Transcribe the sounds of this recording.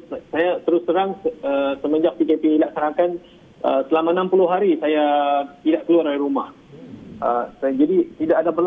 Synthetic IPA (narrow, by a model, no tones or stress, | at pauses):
sajat̪əɾʊsəɾaŋəəsəməd͡ʒak̚pikɛpilaksanakan | ʔə̰səlamanãmpulʊɦaɾisajat̪idaʔkəluaɾaliɾumah | əsd͡ʒadit̪idaʔadapəl